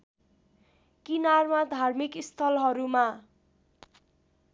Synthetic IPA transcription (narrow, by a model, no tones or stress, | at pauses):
kinarmad̪ʱarmikist̪ʰʌlɦʌɾuma